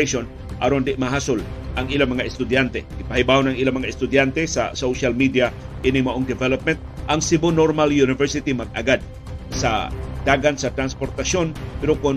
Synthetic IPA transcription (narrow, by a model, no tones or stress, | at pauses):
son | ʔa̰ɾond̪ɪʔmaɦasʊlʔaŋilamɐŋaɛst̪ʊd̪jant̪ɛɡɪpahibahonaŋilamɐŋaɛst̪ʊd̪jant̪ɛsa̰sowʃalmid̪ia | ʔinɪŋmaʔoŋd̪ɛvɛlop̚mɛnt̪̚aŋsibonoɾmaljunɪvɛɾsɪt̪imaɡ̚a̰ɡad̪̚ | sa̰d̪̥aɡansat̪ɾanspoɾt̪asjonpɛɾokʊn